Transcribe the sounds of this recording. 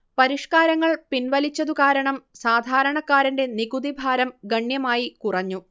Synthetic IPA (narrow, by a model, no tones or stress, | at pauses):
pɐɾiʂkaːɾɐŋːɐɭpinʋɐlit͡ɕːɐðukaːɾɐɳɐmsaːd̪ʱaːɾɐɳɐkːaːɾiɳde̞niɡud̪ibʱaːɾɐmɡɐɳjɐmaːjikurɐɲːu